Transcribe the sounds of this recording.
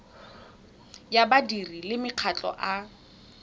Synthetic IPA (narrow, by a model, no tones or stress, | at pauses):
jabadirilɪmɪq͡χʰat͡ɬʼɔ̰ʔa